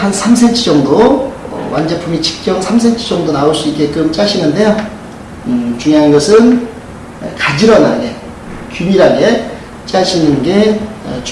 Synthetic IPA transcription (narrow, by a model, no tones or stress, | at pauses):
hansʰamsʰent͡ɕʰid͡ʑʌŋdo̰ | wʔand͡ʑepʰumit͡ɕʰi̥k̚t͡ɕ͈ʌŋsʰams̬ʰent͡ɕʰɯ̥d͡ʑʌŋdonaoɭs͈uik͈ːe̞kɯmt͡ɕ͈aɕʰinɯnde̞jo | t͡ɕuŋjɦanɡʌsʰɯn | kad͡ʑiɾʌnaɡe̞ | kjumiɾaɡe̞ | t͡ɕ͈aɕʰinɯnɡe̞t͡ɕ